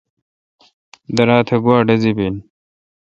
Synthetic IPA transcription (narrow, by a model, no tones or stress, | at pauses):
d̪ɐɾaːt̪ʰɐɡwaːɖɐzibin